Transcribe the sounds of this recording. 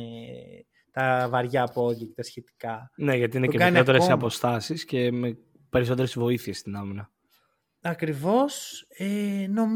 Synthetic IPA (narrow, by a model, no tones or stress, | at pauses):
t̪ɐvɐɾʝɐːpoʝicet̪ɐsçe̞t̪i̥kɐne̞ʝɐt̪iineceɐnot̪eɾesiɐpo̞st̪ɐsisce̞me̞ | pe̞ɾis̬o̞t̪eɾesvo̞iθie̞st̪inɐminɐ | ɐkɾivo̞seno̞m